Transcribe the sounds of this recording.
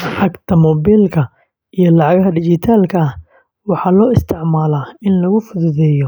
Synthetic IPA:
ʕɑɡt̪ʰɐmɔbilkʰɐ | ijɞlɑʕɑɣɦɐd̪ɪt͡ʃɪt̪ʰaːlkʰɐh | wɑħɑːlɔːɪst̪ʰɪʕmaːlaːɪnlɐɣʊfʊðʊðɛːjɔ

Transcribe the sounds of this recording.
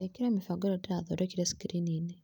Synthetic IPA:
ekiɾemifaɡoɾotiɾaðo̰ɾekiɾesi̥kɾinine

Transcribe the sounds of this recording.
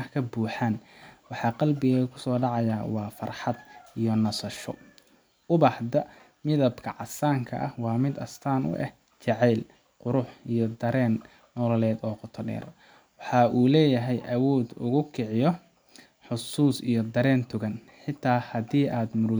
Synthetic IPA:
kʰɐbuːħaːnwɑħɑːqɑlbɪɣɐkʰʊ̥sɔːɖɑʕɑjaːwɑːfɐrħɑd̪̚ijɔnɐsɐʃɔ̰ | ʊβɑːħd̪ɐ | mɪðɐbkʰɐʕɑsaːŋkʰɐ̰ʔɐhwɑːmɪd̪ɐ̰st̪ʰaːnʔʊ̰ʔɛ̰h | t͡ʃɑʕɛːl | qʊɾʊħijɔd̪ɐɾɛːnː | ɔːlɔlɛːd̪ɔːqʊt̪ʰɔɖɛ̰ːr | wɑħɑːʔuːlɛːjɐɦɛjʔɐwɔːd̪ʊ̰ɣʊkʰɪʕɪjɔ | ħʊsuːsḭjɔd̪ɐɾɛːnt̪ʰʊɣɐn | ħɪt̪ʰaːhɐdiːʔaːd̪mʊɾ

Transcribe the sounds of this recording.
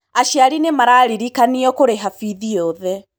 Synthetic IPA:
aʃjaɾinemaɾaːɾiɾikaniɔkoɾeɦafiðiɔðɛ

